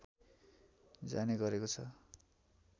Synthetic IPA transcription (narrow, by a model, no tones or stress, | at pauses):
p | d͡za̰neɡʌɾekot͡sʰʌ